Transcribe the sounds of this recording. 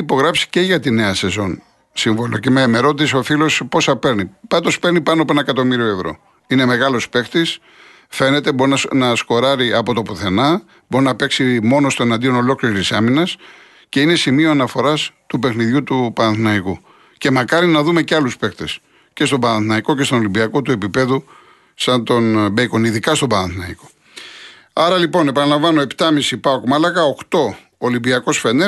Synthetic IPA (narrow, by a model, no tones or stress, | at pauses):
ipo̞ɣɾɐfsi̥ce̞ʝɐt̪ine̞ɐse̞zo̞n | siɱvolocemeːme̞ɾot̪it̪so̞filo̞spo̞sɐpe̞ɾnipɐd̪o̞spe̞ɾnipɐnoɐpoenɐekɐt̪o̞miɾio̞e̞vɾo̞̰ | ine̞me̞ɣɐlospe̞xt̪is | fe̞ne̞t̪ebo̞ɾinɐnɐsko̞ɾɐɾiɐpo̞t̪o̞puθe̞nɐ | bo̞ɾinɐpe̞ksimo̞no̞st̪o̞enɐnd̪io̞no̞lo̞kliɾit̪isɐminɐs | ce̞ine̞simio̞ɐnɐfo̞ɾɐst̪upe̞xniðʝut̪upɐnɐnθinɐiku | ce̞mɐkɐɾinɐðume̞ceɐluspe̞kt̪e̞s | ce̞st̪o̞bɐnɐnθinɐiko̞cest̪onolimbiɐko̞t̪ue̞pipe̞ðu | sɐnt̪o̞nbeiko̞niðikɐst̪o̞bɐnɐnθinɐiko̞̥ | ɐɾɐlipo̞ne̞pɐnɐlɐɱvɐno̞e̞pt̪ɐmisipɐokmɐlɐkɐokt̪o̞ː | limbiɐko̞sfe̞ne